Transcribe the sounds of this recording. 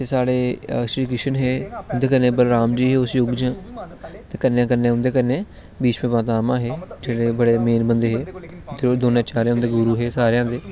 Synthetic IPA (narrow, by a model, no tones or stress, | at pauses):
t̪eːsaːɽeːʃɾiːkɪʃənɦeːʊnd̪eːkəɾnẽːbəlɾaːmd͡ʒiːɦeːʊsjoɡd͡ʒãːt̪eːkənjãːkəɾnẽːʊnd̪eːkəɾneː | biːt͡ʃmẽːʋãːt̪aːmãːɦeːd͡ʒeːɽeːbəɽeːmeːnbənd̪eːɦeː | t̪ed̪oːnãːt͡ʃaːɾãːʊnd̪eːɡʊɾuːɦeːsaːɾjãːd̪eː